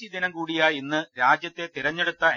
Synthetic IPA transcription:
id̪inɐmkuːɽijaːjenːɨɾaːd͡ʑjɐt̪ːet̪iɾɐɲːe̞ɽut̪ːɐ

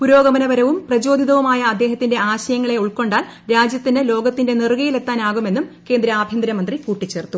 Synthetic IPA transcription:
puɾo̞ːɡɐmɐnɐʋɐɾɐʋumprɐd͡ʑo̞ːd̪ʱiðɐʋumaːjɐːd̪ːe̞ːɦɐt̪ːinde̞aːɕɐjɐŋːɐɭe̞uɭko̞ɳɖaːl | ɾaːd͡ʑjɐt̪ːinɨlo̞ːɡɐt̪ːinde̞nirɣɐjile̞t̪ːaːnaːɣume̞nːumke̞ːnd̪ɾɐabʱjɐnd̪ɾɐmɐnd̪rikuːʈːit͡ɕːe̞ːrt̪ːu

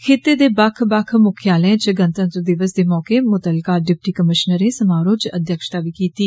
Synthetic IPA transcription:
kʰeːt̪eːd̪eːbakʰbakʰmʊkʰjaːlɛ̃t͡ʃəɡənt̪ə̃nt̪ɾəd̪ɪʋəsd̪eːmɔːkeːmʊt̪əlkaːɖɪp̚ʈiːkəmɪʃnəɾeːsəmaːɾoːt͡ʃə̰d̪ʱjəkʃt̪aːʋiːkiːt̪iː

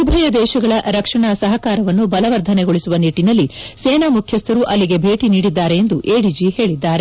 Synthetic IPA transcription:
ubʱɐjɐd̪ɛːʃɐɡɐɭɐɾɐkʂɐɳaːsɐɦɐkaːɾɐʋɐnːubɐlɐʋɐɾd̪ʱɐneɡoɭisuʋɐniʈːinɐlːiseːnaːmukʰjɐst̪ɐɾuʔɐlːiɡe̞bʱe̞ːʈiniːɽid̪ːaːɾe̞end̪uʔeːɽid͡ʒihe̞ːɭid̪ːaːɾe̞

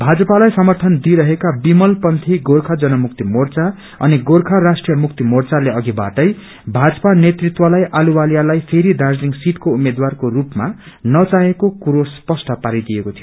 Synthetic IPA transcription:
bʱad͡zʌpalajsʌmʌrt̪ʰʌnd̪iɾʌɦekabimʌlpʌnt̪ʰiɡorkʰad͡zʌnʌmukt̪imort͡sa | ʌ̰niɡorkʰarasʈrijʌmuk̚t̪imort͡saleʌɡiba̰ʈʌj | bʱad͡zʌ̥panet̪rit̪wʌlajʔaluwaljalajpʰeɾiɖ̪ard͡zliŋsit̪koumed̪warkorupma | nʌt͡saɦekokuɾospʌsʈʌpaɾid̪ijekot̪ʰijoo

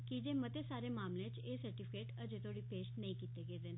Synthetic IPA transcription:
kid͡ʒeːmət̪eːsaːɾeːmaːmlẽt͡ʃeːsəɾʈiːpʰɪ̥keːʈəd͡ʒeːt̪oːɽipeːsʈnəĩːkiːt̪eːɡeːd̪eːn

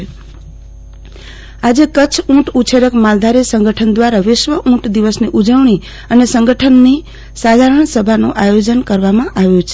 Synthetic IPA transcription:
ad͡ʒekət͡ʃʰũʈut͡ʃʰeɾəkmald̪ʱaɾisəŋɡʱəʈʰənd̪ʋaɾaʋɪʃʋəʔũʈd̪iʋəsniʔud͡ʒəʋɳ̃i | ənesəŋɡəʈʰənːi | sad̪ʱaɾəɳsəbʱanṵ̃ʔajod͡ʒənkəɾʋamãʔaʋjũt͡ʃʰe

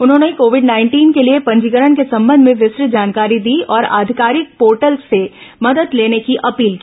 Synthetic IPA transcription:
ʊnɦõːnekoːʋɪɖnaːɪ̃ɳʈiːnkeliepɐ̃ɲd͡ʒikəɾəɳkesɐ̃mbə̃nd̪ʱmẽʋɪsɾɪd͡ʒaːnkaːɾid̪iːɔːɾa̰ːd̪ʱɪkaːɾɪk̚poːɾʈəlsːemɐd̪əd̪leːnekiʔɐpiːlki

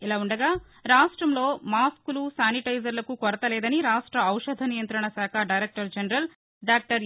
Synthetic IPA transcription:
ilaːuɳɖɐɡaː | ɾaːʂʈɾɐmlo̞ːmaːskulusaːniʈɐjd͡ʒɐɾlɐkukɔɾɐt̪ɐlɛːd̪ɐniɾaːʂʈɾɐːwʂɐd̪ʱɐnijɐnt̪ɾɐɳɐsaːkʰɐɖɐjɾek̚ʈɐɾd͡ʒɐnɐɾɐl | ɖaːk̚ʈɐɾ

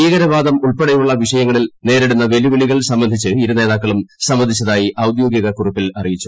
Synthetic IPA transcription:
iːɣɐɾɐbaːd̪ɐmuɭpeɽɐjuɭːɐʋiʂɐjɐŋːɐɭilne̞ːɾeɽunːɐʋe̞liʋeɭiɣɐɭsɐmbɐnd̪ʱit͡ɕːɨiɾune̞ːðaːkːɐɭumsɐmʋɐnd̪ʱit͡ɕːɐðaːjiʔɐwd̪jo̞ːɡjɐɣɐkuripːilɐrijit͡ɕːu̥

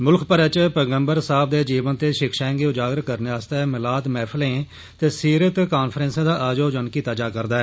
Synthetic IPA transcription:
mʊlkʰpəɾɛt͡ʃpəɡəmbəɾsaːb̚d̪eːd͡ʒiːʋənt̪eːʃɪkʰʃãːŋɡiːʊd͡ʒaːɡɾəkəɾneaːst̪aɛːmɪlaːd̪mɛːpʰlẽː | t̪eːsiːɾət̪kaːnpʰɾɛ̃ːnsãːd̪aːʔaːd͡ʒoːd͡ʒənkiːt̪ad͡ʒaːkəɾd̪aːɛː

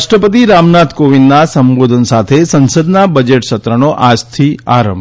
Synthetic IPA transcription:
ʃʈɾəpət̪iɾamnat̪koʋinnasəmbod̪ʱənsat̪ʰesənsəd̪nabəd͡ʒeʈʃət̪ɾənoʔad͡ʒt̪ʰia̰ɾə̃m

